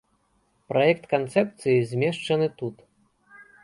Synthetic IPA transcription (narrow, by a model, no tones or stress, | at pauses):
pɾʔajɛkt̪kant̪sɛp̚t̪sɨjizʲmʲɛʂt͡ʂɐnɨt̪ut̪